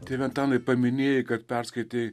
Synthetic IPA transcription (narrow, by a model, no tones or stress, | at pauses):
t̪ʲeːʋʲɛnt̪ɑːnɐɪpɐmʲɪnʲeːjɪkɐt̪pʲɛɾskɐɪt̪ʲeː